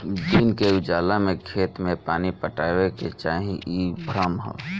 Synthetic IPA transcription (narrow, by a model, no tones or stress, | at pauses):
d̪iːnkeud͡ʒaːlamẽkʰeːt̪mẽpaːnipəʈaːweket͡ʃaːɦĩʔibʱɾəmɦə̰